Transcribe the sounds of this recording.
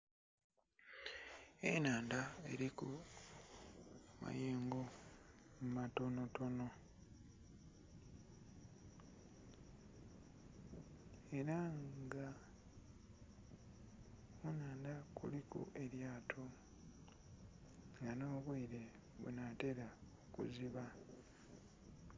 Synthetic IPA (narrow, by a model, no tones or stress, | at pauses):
enaːndae̞̰ɾiku | ma̰jeːŋɡomumato̞no̞to̞no̞ | e̞ɾaŋɡa | unaːndakṵlikṵʔe̞ɾjaːtʰo | ŋɡano̞ːβwiiɾe̞ | βṵnate̞ɾaokṵziβa